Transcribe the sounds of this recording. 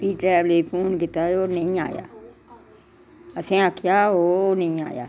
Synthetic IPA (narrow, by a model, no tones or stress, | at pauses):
piːʈɾɛːbleːpʰuːnkɪt̪aːjoːnəĩːa̰ːja̰ː | əsẽːəkʰːɪjaːoːnəĩːa̰ːja̰ː